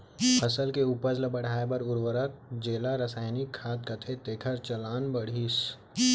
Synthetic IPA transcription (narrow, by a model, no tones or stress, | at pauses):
pʰəsəlkeupəɾd͡ʒlɐbəɽ̤aːebɐɾʊɾwəɾək̚d͡ʒeːlaɾəsaːɪnikʰːaːd̪̚kət̪ʰet̪eːkʰəɾt͡ʃɐlaːnbɐɽ̤is